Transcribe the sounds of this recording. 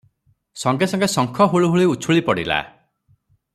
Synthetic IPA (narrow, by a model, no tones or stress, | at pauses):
sɔŋɡesɔŋɡesɔŋkʰɔɦoɭuɦuɭiut͡ʃʰuɭipɔɽḭla̰